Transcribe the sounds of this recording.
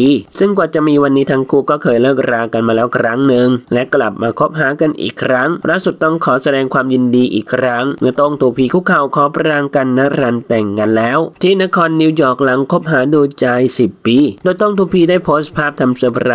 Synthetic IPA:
sɯ˥˩ŋkwaː˨˩t͡ɕa˨˩ʔmiː˧wa˧nːiː˦˥t̪ʰaː˧ŋkʰuː˥˩kɔː˥˩kʰɤː˧jlɤː˥˩k̚ɾaː˧ka˧nmaː˧lɛː˦˥wkʰɾa˦˥ŋnɯ˧ŋlɛ˦˥kla˨˩p̚maː˧kʰo˦˥p̚ɦaː˩˦ka˧nʔḭː˨˩kʰːɾa˦˥ŋlʔaː˧˥˩su˨˩t̪̚ːɔ˥˩ŋkʰɔː˩˦sa˧dɛː˧ŋkʰwaː˧mji˧ndiː˧ʔiː˨˩kʰɾa˦˥ŋmɯ˦˧˩ɐt̪o˥˩ŋt̪ʰuː˧pʰiː˧kʰuː˥˩kʰa˧˩wkʰɔː˨˦pɾaː˧ŋka˧nːa˦˥ɾa˧nt̪ɛ˨˩ŋːa˧nlɛː˦˥wt̪ʰiː˥˩na˦˥kʰɔː˧nːiː˧wjɔː˨˩k̚la˨˩˦ŋkʰo˦˥p̚ɦaː˩˦duː˧t͡ɕa˧jsi˨˩p̚ːiː˧˩doː˧jt̪o˥˩ŋt̪ʰuː˧pʰiː˧daː˥˩jpʰoː˦˥s̚pʰaː˥˩p̚t̪ʰa˧msa˧˩pʰɾa˧˩

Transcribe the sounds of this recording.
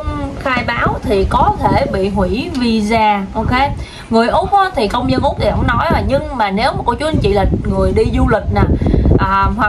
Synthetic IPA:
ŋ͡mxaː˧jɓaː˨˦wt̪ʰi˨˩kɔ˨˦t̪ʰe˧˩ɓḭ˧˨ɦwi˧˩vi˧zaː˧ʔo˧wke˨˦ | ŋɨ˨˩əjʔo˨˦˥m̚ho˧t̪ʰi˨˩kə˧wŋ͡mɲə˧nʔu˧˦˥pt̪ʰi˨˩ɦə̰˧˥wŋ͡mnɔ˨˦jəː˨˩ɲɨ˧ŋmaː˨˩ne˨˦wmaː˨˩ko˧˩t͡ɕu˨˦˧t͡ɕḭ˧˨li˨˩k̟̚ŋɨ˨˩əjɗi˧zu˧lï˨˩k̟̚na˨˩ʔəː˨˩hwa˨˩

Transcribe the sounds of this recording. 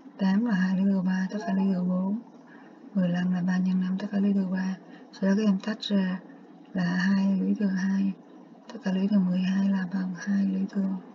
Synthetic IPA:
t̪aː˨˦mlaː˨˩ɦaː˧jli˧˦t̪ɨ˨˩əwɓaː˧t̪ə˦˥t̚kaː˧lḭ˧˦t̪ɨ˨˩əɓo˨˦n | mɨ˨˩əjla˧mlaː˨˩ɓaː˧ɲə˧nːa˧mt̪ə˦˥kaː˧lḭ˧˦t̪ʰɨ˨˩əwɓaː˧so˧ɗka˨˦ʔɛ˧mt̪ʰa˦˥k̟̚zaː˧˩ | laː˨˩haː˧jlḭ˧˦t̪ʰɨ˨˩əŋɦaː˧j | t̪ə˦˥t̚kaː˧lwi˧˦t̪ʰɨ˨˩əŋmɨ˨˩əjhaː˧jlaː˨˩ɓa˨˩ŋhaː˧jlḭ˧˦t̪ʰɨ˨˩əŋ

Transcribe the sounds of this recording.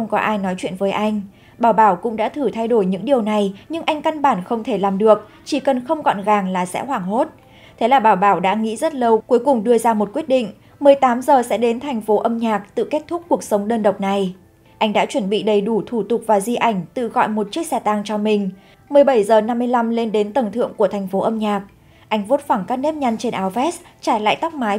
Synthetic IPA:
xə˧wŋ͡mkɔ˨˦ʔaː˧jnɔ˨˦jt͡ɕwḭ˧˨ənvəː˨˦jʔa˧jŋ̟ | ɓaː˧˩wɓaː˧˩wkʊ̰˧˥ŋ͡mɗa̰ː˧˥t̪ʰɨ˧˩t̪ʰa˧jɗo˧˩jɲɨ̰˧˥ŋɗi˨˩əwna˨˩jɲɨ˧ŋʔa˧jŋ̟ka˧nɓaː˧˩nxə˧wŋ͡mt̪ʰe˧˩laː˨˩mɗɨ˨˩ək̚ | t͡ɕi˧˩kə˨˩nxə˧wŋ͡mɣɔ̰˧˨nɣaː˨˩ŋlaː˨˩sɛ̰˧˥hwaː˧˩ŋɦo˦˥t̚ | t̪ʰe˨˦laː˨˩ɓaː˧˩wɓaː˧˩wɗa̰ː˧˥ŋḭ˧˥zə˦˥t̚lə˧wku˨˦jkʊ˨˩ŋ͡mɗɨ˧əzaː˧mo˨˩t̚kwi˦˥ət̚ɗḭ˧˨ŋ̟ | mɨ˨˩əjt̪aː˨˦mzəː˨˩sɛ̰˧˥ɗe˨˦nt̪ʰa˨˩jŋ̟fo˨˦ʔə˧mɲaː˨˩k̚t̪ɨ̰˧˨ke˦˥t̚t̪ʰʊ˦˥k̚kːu˨˩ək̚sə˨˦wŋ͡mɗəː˧nɗə˨˩wk͡p̚na˨˩j | ʔa˧jŋ̟ɗa̰ː˧˥t͡ɕwə˧˩nɓḭ˧˨ɗə˧˩jɗu˧˩t̪ʰu˧˩t̪ʊ˨˩k͡p̚vaː˨˩zi˧ʔa˧˩jŋ̟t̪ɨ̰˧˨ɣɔ̰˧˨jmo˨˩t̚t͡ɕi˦˥ək̚sɛ˧t̪a˧ŋt͡ɕɔ˧mï˨˩ŋ̟ | mɨ˨˩əjɓə˧˩jzəː˨˩na˧mːɨ˧əjla˧mle˧nɗe˨˦nt̪ə˨˩ŋt̪ʰɨ̰˧˨əŋku˧˩ət̪ʰɛ˨˩ŋ̟fo˨˦ʔə˧mɲaː˨˩k̚ | ʔa˧jŋ̟vo˦˥t̚fa˧˩ŋkaː˦˥k̚ne˦˥p̚ɲa˧ŋt͡ɕe˧nʔaː˨˦wvɛ˦˥st͡ɕaː˧˩jla̰ː˧˨jt̪a˦˥wk͡p̚maː˨˦j

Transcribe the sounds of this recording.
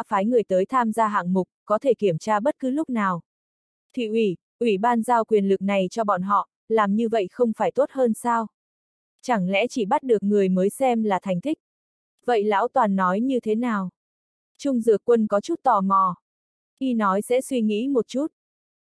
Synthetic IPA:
faː˨˦jŋɨ˨˩əjt̪əː˨˦jt̪ʰaː˧mzaː˧ɦa̰ː˧˨ŋmʊ˨˩k͡p̚kɔ˨˦t̪ʰe˧˩ki˧˩əmt͡ɕaː˧ɓə˦˥t̚kɨ˨˦lʊ˦˥k͡p̚naː˨˩w | t̪ʰḭ˧˨ʔwi˧˩ | ʔwi˧˩ɓaː˧nzaː˧wkwi˨˩ənlɨ˨˩k̚na˨˩jt͡ɕɔ˧ɓɔ̰˧˨nɦɔ̰˧˨ | laː˨˩mɲɨ˧və̰˧˨jxə˧wŋ͡mfaː˧˩jt̪o˦˥t̚həː˧nsaː˧w | t͡ɕa˧˩ŋlɛ̰˧˥t͡ɕi˧˩ɓa˦˥t̚ɗɨ˨˩ək̚ŋɨ˨˩əjməː˨˦jsɛ˧mlaː˨˩t̪ʰa˨˩jŋ̟t̪ʰi˦˥k̟̚ | və̰˧˨jla̰ː˧˥wt̪waː˨˩nːɔ˨˦jɲɨ˧t̪ʰe˨˦naː˨˩w | t͡ɕʊ˧ŋ͡mzɨ̰˨˧˩əkːwə˧nkɔ˨˦t͡ɕu˦˥t̚t̪ɔ˨˩mɔ˨˩ | ʔi˧nɔ˨˦jsɛ̰˧˥swi˧ŋḭ˧˥mo˨˩t̚t͡ɕu˦˥t̚

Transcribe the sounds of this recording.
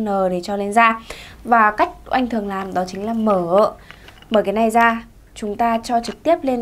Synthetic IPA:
nəː˨˩ɗe˧˩t͡ɕɔ˧le˧nzaː˧vaː˨˩ka˦˥jk̟̚ʔa̰˧jŋt̪ʰɨ˨˩əŋlaː˨˩mɗɔ˨˦t͡ɕï˨˦ŋ̟laː˨˩məː˧˩ə˧˨mɓəː˧˩jkaː˨˦jna˨˩jzaː˧ | t͡ɕʊ˨˦ŋ͡mt̪aː˧t͡ɕɔ˧t͡ɕɨ˨˩k̚t̪i˦˥əp̚le˧n

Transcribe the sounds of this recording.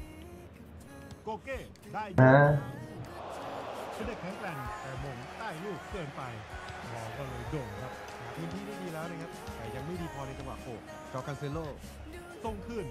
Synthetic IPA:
koː˧keː˥˩ | daː˥˩ja˧˥ | pʰɯː˧de˨˩k̚ʰɛ˦˥ŋklɛː˧nt̪ɛː˨˩moː˧ŋt̪aː˥˩jluː˥˩k̚t̪ɤ˧npa˧j | mɔː˨˧˩kɔː˥˩lɤː˧jdoː˨˩nkʰa˦˥p̚ | haː˩pʰɯː˧nt̪ʰiː˥˩da˥˩diː˧lɛː˦˥wna˧˥˩kʰa˦˥p̚t̪ɛː˨˩ja˧ŋma˥˩jdiː˧pʰɔː˧na˧jt͡ɕa˧ŋwa˨˩kʰoː˨˩k̚ | t͡ɕɔː˦˥kʰːa˧nse˧˦loː˥˩ | so˧ŋkʰɯː˧˩n

